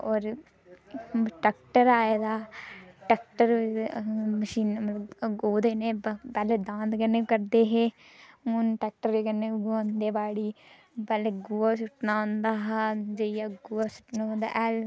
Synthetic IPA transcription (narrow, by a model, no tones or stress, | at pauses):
oːɾ | ʈɛːkʈəɾaːjaːd̪aːʈɛk̚ʈəɾ | məʃiːnmət̪ləboːd̪eːneːbɛled̪ãːnd̪kənːeːkəɾd̪eːɦeːmunʈɛːk̚ʈəɾekənːeːɡond̪eːbaːɽiː | bɛleɡuːaːsʊʈnaːõnd̪aːɦd͡ʒeijaːɡuːasʊ̥ʈnaːõnd̪a̰ːʔɛːl